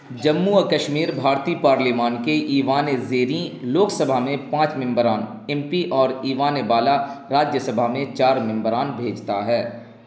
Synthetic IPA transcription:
d͡ʒɐmːuɐkəʃmiːɾbʱaːɾt̪iːpaːɾliːmaːnkeʔiːʋaːnezeːɾĩloːksəbʱamẽpãːt͡ʃmɪ̃mbɾaːn | ɛ̃mpiʔɔːɾiːʋaːnebaːlaɾaːd͡ʒjəsəbʱamẽt͡ʃaːɾmɪ̃mbəɾaːnbʱeːd͡ʒt̪aɦɛː

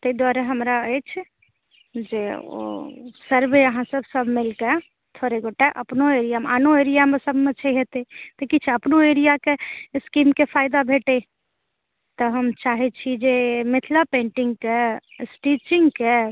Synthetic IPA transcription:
t̪əid̪waɾəɦəmɾaəjt͡ʃʰ | d͡ʒeo̰səɾbeəɦãsəbsəbʱmilke | t̪ʰoɾeɡoʈeʔə̰pnoeɾijameanoeɾijamesəbʱmet͡ʃʰəɦet̪et̪əkit͡ʃʰɛəpnoeɾijakeskimkepʰajd̪abʱeʈe | t̪ɔɦəmt͡ʃaɦet͡ʃʰid͡ʒemet̪ʰlapẽɳʈiŋɡkesʈit͡ʃiŋɡke

